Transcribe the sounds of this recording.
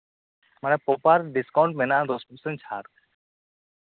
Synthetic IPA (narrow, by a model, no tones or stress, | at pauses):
manɛpopaɾɖiskaʊɳʈmenãd̪ospusənt͡ʃʰa̰ːɾ